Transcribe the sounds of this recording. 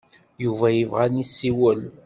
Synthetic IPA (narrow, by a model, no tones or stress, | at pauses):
juvæjəvʁænisːiwəl